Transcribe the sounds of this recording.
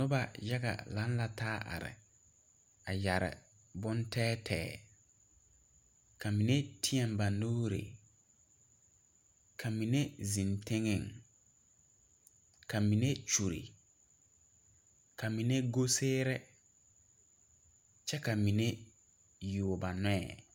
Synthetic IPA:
nʊ˦ba˨ja˦ɣa̰˨la˦n˦la˨taː˦ʔa̰˨ɾɪ̰˨ | a˨ja˨ɾɪ̰˨ | bʊ˦ntɛː˦tʰɛ̰ː˨ | ka˨mi˨ne˦tʰi˦ɛ˦mba˨nːoː˦ɾḛ˨ | kʰa˨mi˨ne˦zi˨ntɪ˦ŋɪ˦˨ŋ | ka˨mi˨ne˦t͡ʃu˨ɾḭ˨ | ka˨mi˨ne˦ɡo˦seː˦ɾɛ˦ | t͡ʃɛ˦ka˨mi˨ne˦ | ju˨ba˨nɛ˦ɛ̰˨

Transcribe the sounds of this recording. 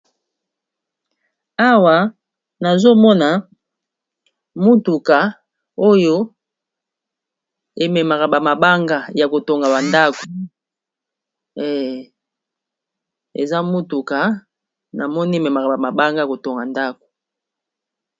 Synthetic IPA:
a˦wa˨ | na˨zo˦mɔ˦na˨ | mu˦tu˨ka˨ | o˦jo˦ | e˨me˨ma˨ka˨ba˨ma˨ba˦ŋɡa˦ja˨ko˨to˨ŋɡa˨ba˨nda˦ko̥˨˦˨ | ḛ˨za˦mu˦tu˨ka˨ | na˨mɔ˦ni˦e˨me˨ma˨ka˨ba˨ma˨ba˦ŋɡa˦ja˨ko˨to˨ŋɡa˨nda˦ko̥˨

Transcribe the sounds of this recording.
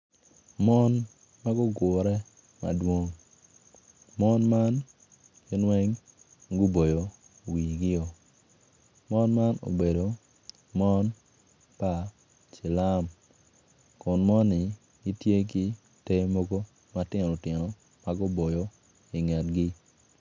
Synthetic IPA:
mɔ˦n | ma˦ɡɔ˦ɡʊ˨ɾɛ˦ | ma̰˨dwo˦ŋ | mɔ˦nma˦n | ɡɪ˦nwɛ˦ŋ | ɡʊ˦bo˨jo˨ | wi˨ɡɪ˦ɔ˨ | mɔ˦nma˦no̰˨be˨do˨ | mɔ˦n | pa˨ | t͡ʃɪ˨la˦m | kʊ˨nmɔ˦nːɪ˨ | ɡi˦tje˦ki˦ | te˦mo˦ɡo˦ | matɪ˦n˨ʊ˨tjɪ˨nɔ˨ | ma˦ɡʊ˦bo˨jo˨ | i˨ŋa˨tɡɪ˦

